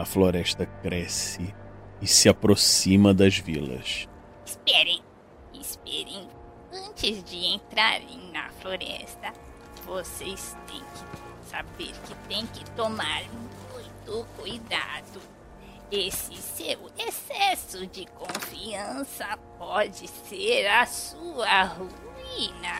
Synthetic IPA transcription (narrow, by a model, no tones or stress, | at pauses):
ɐfloɾɛʃt̪ɐkɾɛsɪɪsɪapɾosĩmɐd̪ɐzvilɐ̰s | ɪspɛɾẽj̃ | ɪspɛɾẽj̃ | ɐ̃t͡ʃɪzd͡ʒɪẽnt̪ɾaɾḛ̃j̃nɐfloɾɛ̰st̪ɐ | vosejst̪ḛ̃j̃kɪsa̰beɾkɪt̪ẽj̃kɪt̪omaɾm | ũj̃t̪ʊkujd̪a̰d̪ʊ | esɪsewesɛsʊd͡ʒɪkõfiɐ̃sɐp̚ɔd͡ʒɪseɾɐsuɐɦuinɐ